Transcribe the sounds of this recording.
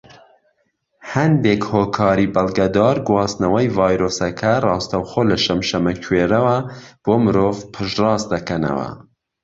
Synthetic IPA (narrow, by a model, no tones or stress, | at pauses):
hɐnd̪ekhoːkʰɑːɾiːbɐlˠɡɐd̪ɑːɾɡwɑːsnɐwɐjvɑːjɾoːsɐkʰɐrɑːst̪ɐwxoːlɐʃɐmʃɐmɐkʰweːɾɐwɐb̥oːmɨɾoːvpʰɨʃrɑːst̪̚d̪ɐkʰɐnɐ̰wɐ̰